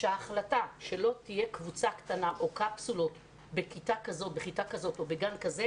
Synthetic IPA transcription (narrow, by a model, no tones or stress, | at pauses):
ʃaχlataʃe̞lo̞t̪ije̞kvut͡sakt̪anaʔo̞kapsulo̞t | be̞kitakazo̞t̚beχitakazo̞to̞be̞ɡankaze